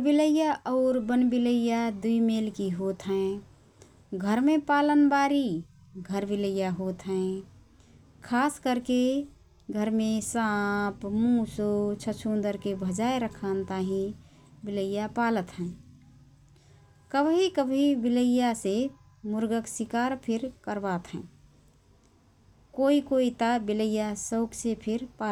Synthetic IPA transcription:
biləjaʔɔːɾbənbiləjad̪uimelkiɦot̪ɦɛ̃ | ɡʱəɾmẽpaːlənbaːɾi | ɡʱəɾbiləjːaɦot̪ɦɛ̃ | kʰaːskəɾke | ɡʱəɾmẽsãpmũsot͡ʃʰət͡ʃʰund̪əɾkebʱəd͡ʒaeɾəkʰənt̪aɦĩ | bɪləjapalət̪ɦɛ̃ | kəbɦikəbʱɦibiləjase | mʊɾɡəksikaːɾpʰɪɾkəɾbat̪ɦɛ̃ | koikoit̪abiləjːasəʊksepʰɪɾpa

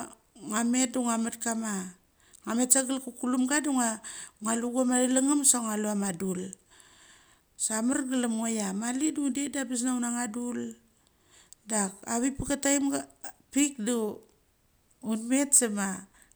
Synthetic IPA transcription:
ŋame̞t̚duŋamat̚kama | ŋame̞tsaɡalkukulumɡaduŋaŋaluɡuamadalaŋamsaŋaluamadul | samarɡalamŋojamalidudedabis̬naunaŋadul | dakaβipakatajmɡpik̚du | unme̞tsama

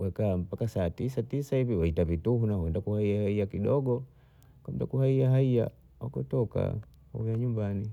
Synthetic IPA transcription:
wɛkaːm̩pakasaːtisatisaiviwahitavituhunawɛndakuhaiahaiakiɗɔɡɔ | kam̩ta̰kuhaiaɦaia̰ | wa̰kɔtɔka̰ | hujaɲumbani

